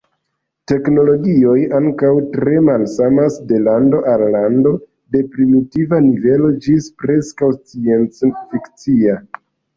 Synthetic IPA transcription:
te̞kno̞lo̞ɡio̞jaŋkawtɾe̞malsamasde̞lando̞ʔalːando̞ | de̞pɾimitivanive̞lo̞d͡ʒispɾe̞skawst͡sie̞nt͡sfikt͡sia

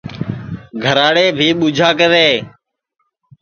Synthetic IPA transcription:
ɡʱəɾaːɽeːbʱiːɓʊːd͡ʒʱaːkəɾeː

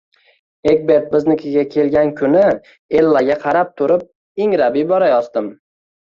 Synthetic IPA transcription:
eɡbe̞ɾt̪̚bɪznɪkʰʲɪɡʲakʲʰe̞lɡʲankʲʰʊnɪ | e̞lːaɡʲaqʰɑɾap̚t̪ʰʊɾɪp̚ | eŋɾabibɒɾajɒzd̪ɪm

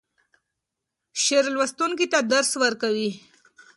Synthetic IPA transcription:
ɕeɾlʋəst̪unkit̪ad̪əɾsʋəɾkaʋi

